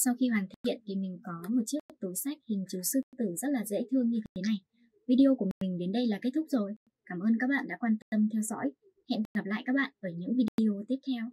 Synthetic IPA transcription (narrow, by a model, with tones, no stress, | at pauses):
sa˧wxi˧hwaː˨˩nt̪ʰi̥˧˦ḭ˧˨ənt̪ʰi˨˩mï˨˩ŋ̟kɔ˨˦mo˨˩t̚t͡ɕɨ˦˥ək̚t̪u˨˦sa˦˥k̚hï˨˩ŋ̟t͡ɕu˨˩˦sɨ˧t̪ɨ˧˩zə˦˥t̚laː˨˩zḛ˧˥jt̪ʰɨ˧əŋɲɨ˧t̪t̪ʰe˨˦na˨˩j | vi˧ɗi˧ʔo˧ku˧˩əmï˨˩ŋ̟ɗe˨˦nɗə˧jlaː˨˩ke˦˥t̚t̪ʰʊ˦˥k͡p̚zo˨˩j | kaː˧˩mʔəː˧nkaː˦˥k̚ɓa̰ː˧˨nɗa̰ː˧˥kwaː˧nt̪ə˧mt̪ʰɛ˧wzɔ̰˧˥j | hɛ̰˧˨nkɣa˨˩p̚la̰ː˧˨kaː˦˥k̚ɓa̰ː˧˨nʔəː˧˩ɲɨ̰˧˥ŋvi˧ɗi˧ɗi˧˨o˧t̪i˦˥əp̚t̪ʰɛ˧w